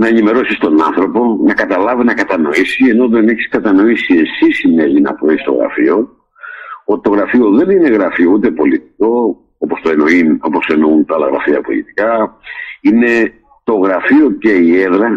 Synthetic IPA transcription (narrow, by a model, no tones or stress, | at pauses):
nɐenime̞ɾo̞sist̪o̞nɐ̰nθɾo̞po̞nɐkɐt̪ɐlɐvinɐkɐt̪ɐno̞isieno̞ðe̞neçi̥skɐt̪ɐno̞isie̞sisinelinɐ̰pɾoist̪o̞ɣɾɐ̰fio̞ | ot̪i̥t̪o̞ɣɾɐfio̞ðe̞nine̞ɣɾɐfiout̪e̞po̞lit̪i̥ko̞ | opost̪oenoino̞po̞se̞nount̪ɐɐlɐ̰ɣɾɐ̰fiɐpo̞̰lḭt̪i̥kɐ | ine̞ | t̪o̞ɣɾɐfio̞ceieðɾɐ